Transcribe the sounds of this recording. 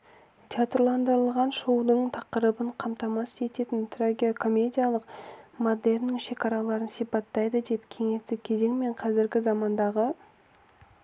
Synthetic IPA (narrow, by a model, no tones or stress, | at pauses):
t̪ʲʰjat̪rlˠɑnd̪əɾəlˠʁɑnʃowd̪əɴt̪ʰɑqəɾəbəɴqʰɑmt̪ɑmɑsʒe̞t̪e̞t̪ɪnt̪ʰroɡʲiokʰo̞mʲe̞d̪ʲijalˠəqmod̪e̞ɾnɪŋʃe̞kɑɾɑlˠɑɾənsijpɑt̪ːɑjd̪əd̪e̞pkʲʰe̞ŋe̞st̪ɪkʲʰe̞ze̞ŋme̞ɴqʰɑzɪɾɡʲɪzɑmɑnd̪ɑʁə